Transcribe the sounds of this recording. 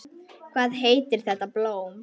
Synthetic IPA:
kʰvaːðɦeːjt̪ʏɾ̥θɛht̪aploːwm

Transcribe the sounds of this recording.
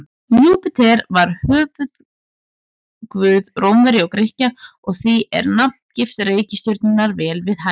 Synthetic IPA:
juːpɪt̪ʰɛɾvaɾ̥hœːvʏð | kvʏːðrowmvɛɾɪɔɣkɾɪhcaɔɣθiʔɛ̰ɾnapt̪cɪft̪reːjcɪst̪ʏɾt̪nɪnaɾvɛːlvɪðha

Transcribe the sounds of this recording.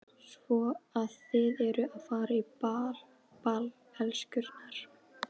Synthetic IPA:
svɔaðθɪðɛɾʏaðfaːɾaipal | pal | hɛlscʏɾt̪naɾ̥

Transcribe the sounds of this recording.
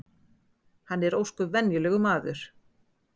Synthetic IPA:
hanːɛɾoːwskʏvɛnjʏlɛːɣʏmaːðʏɾ̥

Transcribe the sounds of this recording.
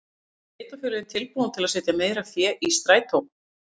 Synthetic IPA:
eːjt̪afʏːlɪðɪmt̪ʰɪlpuːnant̪ʰɪlaðsɪːt̪jameːjɾafjɛːʔist̪ɾaːjt̪ʰow

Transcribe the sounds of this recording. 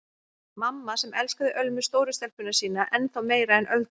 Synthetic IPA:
mamːasɛmʔɛlskaðɪʔœlmʏst̪oːwɾʏst̪ɛl̥pʏnasiːnaʔɛnθawmeːjɾaɛnʔœlt̪

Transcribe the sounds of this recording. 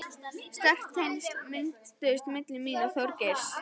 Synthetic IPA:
st̪ɛht̪ʰejnsmɪn̥t̪st̪ʏɪst̪mɪt̪lɪmiːnaθjowɾceɾ̥s

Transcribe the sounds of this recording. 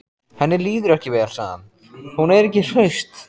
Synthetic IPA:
hɛnːɪliːðʏɾɛhcɪveːalsa̰ːɣa̰n | hunɛɾɛcɪr̥œɥst̪

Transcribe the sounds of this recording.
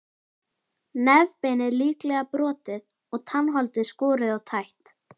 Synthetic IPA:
nɛvpeːnɪɾliːklɛɣapɾɔːt̪ɪð | ɔɣt̪ʰanːɦɔlt̪ɪskɔːɾɪðawt̪ʰajht̪

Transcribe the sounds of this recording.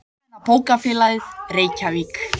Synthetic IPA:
apoːwkafɪːlaðɪðreːjcaviːk

